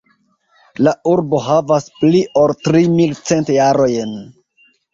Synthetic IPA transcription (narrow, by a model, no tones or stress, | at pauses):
lauɾbo̞ɦavaspliʔo̞ltɾimilt͡se̞ntjaɾo̞jn